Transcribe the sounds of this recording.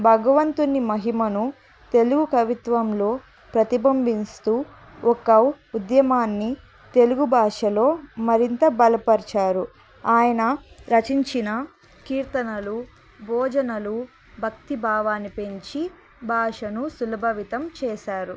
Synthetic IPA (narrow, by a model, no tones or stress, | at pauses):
bʱɐɡɐʋɐnt̪unːimɐɦimɐnu | t̪e̞luɡukɐʋit̪ʋɐmlo̞ː | pɾɐt̪ibɐmbʱinst̪uː | ɔkːɐ | ud̪jɐmaːnːi | t̪e̞luɡubʱaːʂɐlo̞ːmɐɾint̪ɐbɐlɐpɐɾt͡ʃaːɾu | aːjɐnɐɾɐt͡ʃiɲt͡ʃinɐ | kiːɾt̪ɐnɐlu | bʱɔːd͡ʒɐnɐlu | bʱɐk̚t̪ibʱaːʋaːnːipe̞ɲt͡ʃi | bʱaːʂɐnusulɐbʱɐʋit̪ɐmt͡ʃɛːʃaːɾu